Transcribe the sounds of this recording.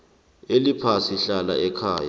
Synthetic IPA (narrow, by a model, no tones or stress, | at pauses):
elipʰasiɬala̰ɛkʰaːja̰